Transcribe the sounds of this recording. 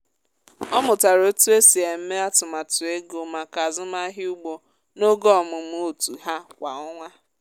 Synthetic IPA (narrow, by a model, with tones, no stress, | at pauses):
ɔ˦mʊ˨ta˨ɾo˦tu˦e˦si˨e˨m̩˦me˦a˦tʊ˨ma˨tʊ˨e˦ɡo˨ma˨ka˨zʊ˦ma˦ɦɪ˦u˦ɡ͡bo˦ | no˦ɡɔ˦˨mʊ˨m̩˦o˦tu˨ɦa˦kʷa˨ɔ˦ŋʷa˦